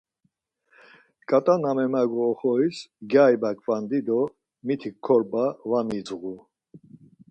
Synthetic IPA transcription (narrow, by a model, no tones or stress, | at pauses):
kʼat̪ʼanamɛmaɡɔːχɔisɡjajbakʰʼvand̪id̪ɔ | mit̪ʰikʰːɔɾbavamid͡zɣu